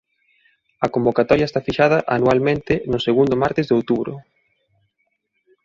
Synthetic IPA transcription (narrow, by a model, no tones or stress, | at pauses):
ɐkombokat̪ɔɾjɐest̪afiʃað̞ɐʔanualmẽnt̪ɪnʊseɣund̪omaɾt̪eɪzðowt̪uβɾʊ̰